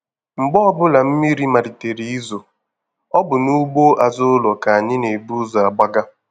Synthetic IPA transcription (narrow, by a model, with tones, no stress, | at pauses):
ŋ͡m̩˨ɡ͡bɔ˦ɔ˦bʊ˦la˨m̩˦mi˦ɾi˦ma˨ɾi˨te˨ɾi˦i˦zo˨ | ɔ˦bʊ˨nu˦ɡ͡bo˦ʔa˨zʊ˦ʊ˦lɔ˨ka˨a˨ɲɪ˦ne˨bu˦za˨ɡ͡ba˦ɡa˦